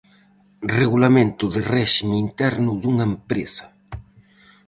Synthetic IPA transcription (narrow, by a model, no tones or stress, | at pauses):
reɣulamẽnt̪ʊðɪrɛʃimint̪ɛɾnʊðuŋaempɾḛsɐ̥